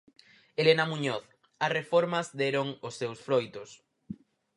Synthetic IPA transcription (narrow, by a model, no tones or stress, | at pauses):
elenɐmũɲoθ | ɐsrefɔɾmɐzðeɾoŋʊsːewsfɾojt̪ʊs